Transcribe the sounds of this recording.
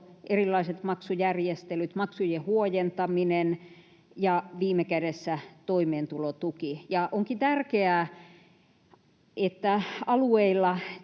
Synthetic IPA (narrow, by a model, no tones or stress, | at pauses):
ʔerilːˑɑiset̪mɑksujærjest̪elyt̪mɑksujehuojent̪ɑminen | jɑʋiːmekædesːæt̪oimeːnt̪ulot̪ukijɑʔoŋkit̪ærkeæː | ʔet̪ːæɑlueilːɑ